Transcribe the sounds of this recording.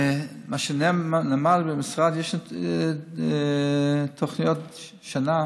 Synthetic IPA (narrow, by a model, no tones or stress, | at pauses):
maʃənɛmnɛmalbəmɪsʁadjeʃ | tʰoχnijot | ʃana